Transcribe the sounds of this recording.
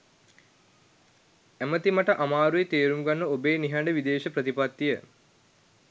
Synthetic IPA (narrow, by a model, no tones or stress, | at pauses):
æmət̪imaʈəʔamaːɾuet̪eːɾuŋɡanːəobeːniɦaɳɖəʋid̪eːʃəpɾət̪ipat̪ːijə